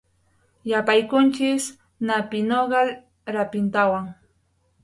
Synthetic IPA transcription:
japajkʊnt͡ʃɪs | napɪnoɢɑ | ɾapɪnt̪awaŋ

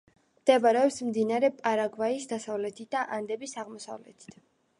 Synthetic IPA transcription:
md̪̥ɛbaɾɛɔpsmd̪inaɾɛpʼaɾaɡvaisd̪asavlɛt̪ʰit̪̚ʰd̪aʔand̪ɛbisaʁmɔsa̰vlɛt̪ʰi̥t̪ʰ

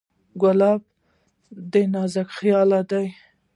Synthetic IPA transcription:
ɡʊlɑb̚ | d̪enɑzakxjɑlad̪aj

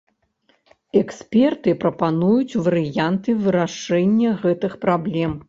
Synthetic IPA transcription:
ɛksʲpʲɛrt̪ɨpɾɐpanujut͡sʲvɐɾɨjant̪ɨvɨɾaʂɛnʲːɐɣɛt̪ɨxpɾablʲɛm

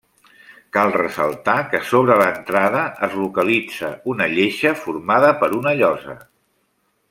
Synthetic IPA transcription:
kalˠrəsə̰lˠt̪akəsoβ̞ɾələnt̪ɾaðəəzlukəlid͡zəunəʎeʃəfurmaðəpəɾunəʎɔzə̰

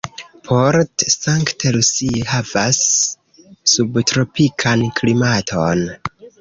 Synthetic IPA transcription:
pʰoɾtsaŋktelusihavasː | ubtɾo̞pikʰankʰlimatʰon

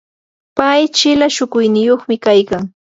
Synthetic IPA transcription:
pajt͡ʃɪlaʃʊkʊjnɪjoχmɪkajkaŋ

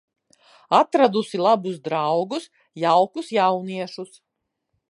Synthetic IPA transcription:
at̪ɾad̪usilˠabusd̪ɾawɡus | jawkusjawniɛʃus

